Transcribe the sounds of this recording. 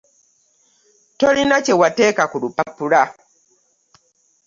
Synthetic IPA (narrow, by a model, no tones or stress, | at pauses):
tolinat͡ʃɛwateːkakulupapuɾa